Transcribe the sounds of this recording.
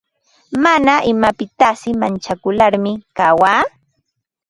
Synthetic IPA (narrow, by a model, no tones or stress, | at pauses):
manaʔɪmapɪt̪asɪmant͡ʃakʊlaɾmɪkawaː